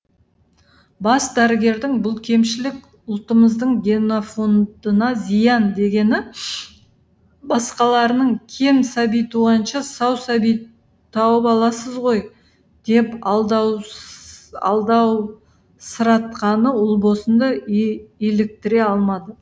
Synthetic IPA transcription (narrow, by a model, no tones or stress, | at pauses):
bɑsd̪æɾɪɡʲe̞ɾd̪ɪŋbʊlˠkʲʰe̞mʃɪlɪk | ʊlˠt̪əməzd̪əɴɡʲe̞nofo̞nd̪ənɑzijɑnd̪e̞ɡʲe̞nɪ | bɑsqɑlˠɑɾənəɴkʲʰe̞msæbijt̪uʁɑnʃɑsɑwsɑbij | t̪ʰɑwəpɑlˠɑsəzʁo̞j | d̪̥e̞pɑlˠd̪ɑw | ɑ̰lˠd̪ɑw | səɾɑt̪̚qɑnəʊlˠbo̞sənd̪ɑ | e̞lek̚t̪ɪɾe̞ɑlˠmɑd̪ə